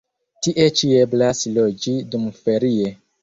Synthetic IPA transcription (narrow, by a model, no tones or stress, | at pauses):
tiʔe̞t͡ʃie̞blaslo̞d͡ʒidumfe̞ɾie̞